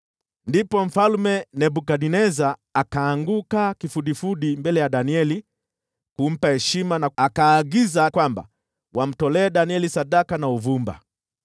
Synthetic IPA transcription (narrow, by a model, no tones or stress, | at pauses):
ndipɔm̩falmɛnɛbukaɗinɛzaːkaːŋɡukakifuɗifuɗimbɛlɛjaɗaniɛli | kum̩pahɛʃimanaakaːɡizakwamba̰ | wam̩tɔlɛːɗaniɛlisaɗakanauvumba̰